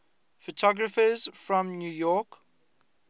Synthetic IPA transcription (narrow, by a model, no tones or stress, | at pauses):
fətʰɔɡɹəfəz̥fɹɔ̃mnjuːjɔˑk